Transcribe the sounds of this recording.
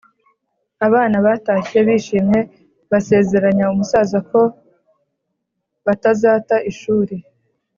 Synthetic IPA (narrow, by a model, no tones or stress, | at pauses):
aβaːnaβaːtaçeβiʃiːmɲe̞ | βase̞ːze̞ɾaɲaumusaːzako̞ | βatazaːtaʔiʃuːɾe